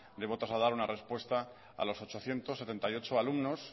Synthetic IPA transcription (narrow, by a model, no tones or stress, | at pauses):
d̪e̞βo̞t̪ɾazlaðaɾunarespwe̞st̪a | a̰lo̞so̞t͡ʃo̞θje̞nt̪osːe̞t̪ent̪ajo̞t͡ʃoalumno̞s